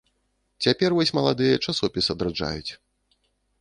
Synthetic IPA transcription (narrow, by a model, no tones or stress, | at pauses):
t͡sʲapʲɛrvɔsʲmɐlˠad̪ɨjɐt͡ʂasɔpʲisɐd̪ɾad͡ʐa̰jut͡sʲ